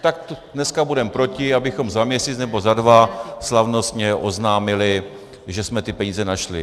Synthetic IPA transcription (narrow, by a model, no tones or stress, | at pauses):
t̪ak̚t̪ | nɛskabudɛmpɾo̞cɪabɪxo̞mzamɲɛsiːt͡snɛbo̞zadvaslavno̞st̪ɲɛʔo̞znaːmɪlɪ | ʒɛsmɛt̪ɪpɛɲiːzɛnaʃlɪ̰